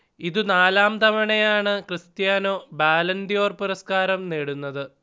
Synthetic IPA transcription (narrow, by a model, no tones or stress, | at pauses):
iðunaːlaːmt̪ɐmɐɳɐjaːɳɨkrɨst̪jaːno̞ːbaːlɐnd̪io̞ːrpuɾɐskaːɾɐmneːɽunːɐðɨ